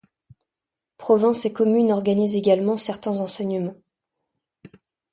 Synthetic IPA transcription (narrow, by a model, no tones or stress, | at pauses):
pχɔvɛ̃sekɔmynɔʁɡanizeɡalmɑ̃sɛʁt̪ɛ̃zɑ̃sɛɲəmɑ̃